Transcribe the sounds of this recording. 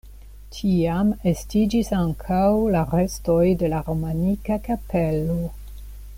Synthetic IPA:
tʰiame̞stid͡ʒisaŋkʰawlaɾe̞sto̞jde̞laɾo̞manikakapelo

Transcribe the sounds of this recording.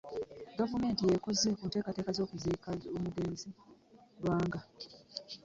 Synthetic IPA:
ɡavume̞ːntijeko̞zekuːnte̞ːkate̞ːkazo̞ːkuziːkaomuɡe̞ːnzi | lwaːŋɡa

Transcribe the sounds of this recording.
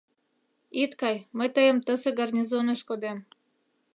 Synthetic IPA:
it̪kɑjməjt̪əjəmt̪əseɡarnʲizoneʃkod̪em

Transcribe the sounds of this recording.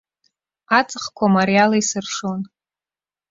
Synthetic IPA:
at͡sʼɨχkʷʰamaɾialaisɨrʂon

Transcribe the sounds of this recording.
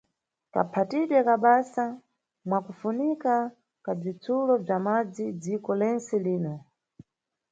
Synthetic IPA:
ka̰pʰatiɗwɛkaɓasa | mwakufunika | kab͡ʐit͡sʰulɔb͡ʐamad͡zid͡zikɔlɛnsɛliːnɔ

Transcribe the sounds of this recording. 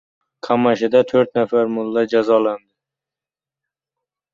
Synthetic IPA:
kʰamaʃɪd̪at̪ʰɵɾt̪nafaɾmʊlˠːad͡ʒazɒland̪ɪ

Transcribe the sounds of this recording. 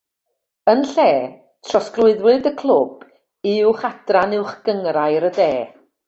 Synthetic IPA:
ənɬɛː | tʰrɔsklˠʊɨðwɨdəkʰlˠʊb̥ | ɪʊχad̥ranɪwχɡ̥əŋrajɾədeː

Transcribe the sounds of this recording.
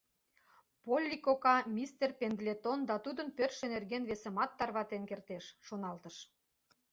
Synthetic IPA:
polʲːikokɑmʲist̪erpend̪lʲet̪ond̪ɑt̪ud̪ənpørʃĕnerɣenβesə̆mɑt̪ːɑrβɑt̪enkert̪eʃːonɑlt̪əʃ

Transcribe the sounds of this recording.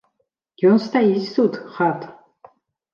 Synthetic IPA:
ɡ̥ʲɔnst̪ʰaisut̪χat̪

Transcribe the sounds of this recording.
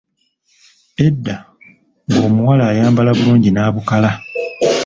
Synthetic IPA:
e̞dːa | ŋɡo̞ːmuwalaːjaːmbalaβuluːɲɟinaːβukala

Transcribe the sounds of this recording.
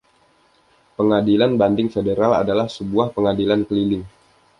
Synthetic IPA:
pəŋadilanbandɪŋfedeɾala̰dalahsəbuahpəŋadilankəlilɪŋ

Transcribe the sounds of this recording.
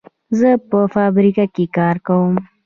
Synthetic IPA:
zəpəfɑbɾikakekɑɾkawəm

